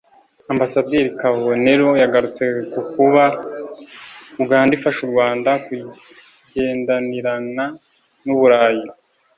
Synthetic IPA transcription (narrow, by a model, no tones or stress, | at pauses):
ambasadiɾikaβone̞ɾo̞jaɡaɾut͡se̞kukuβa | ubɡaːndifaʃuɾɡwaːndaku | ɟe̞ːndaniɾana | nuβuɾaːji